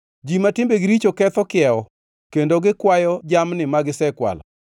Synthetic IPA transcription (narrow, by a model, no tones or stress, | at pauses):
d͡ʒimatɪmbeɡɪɾit͡ʃokɛt̪ɔkɪɛɔ | kendoɡɪkwajɔd͡ʒamnɪmaɡɪsɛkwa̰lɔ̰